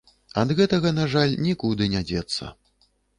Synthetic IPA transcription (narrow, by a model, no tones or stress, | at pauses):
ɐd̪ɣɛt̪ɐɣɐnaʐalʲnʲikud̪ɨnʲad͡zʲɛt̪sːɐ̰